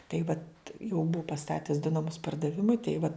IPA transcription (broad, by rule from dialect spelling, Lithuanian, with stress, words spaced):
tɐɪp ʋɐt jɛʊ ˈbʊʊ pɐˈstɑːtʲɛs dʊ nɐˈmʊs pɐrdɐˈʋʲɪmʊɪ tɐɪ ʋɐ